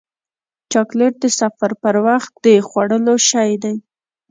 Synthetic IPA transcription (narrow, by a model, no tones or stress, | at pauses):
t͡ʃɑkleʈ̚d̪əsafaɾpəɾwaxt̪̚d̪əxwaɽəloʃajd̪aj